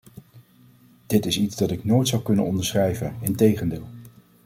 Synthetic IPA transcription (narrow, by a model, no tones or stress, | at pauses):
d̥ɪtɪsitzdɑtɪknoːjtsɑwkɵnə̰nɔndəɹsχrɛjvənɪntejχəndɪːlˠ